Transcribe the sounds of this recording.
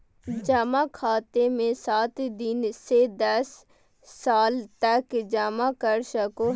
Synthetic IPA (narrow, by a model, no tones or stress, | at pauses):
d͡ʒaːmakʰaːt̪emẽsaːt̪d̪ɪnsed̪ɐsː | aːlt̪əkd͡ʒaːmakəɾʃako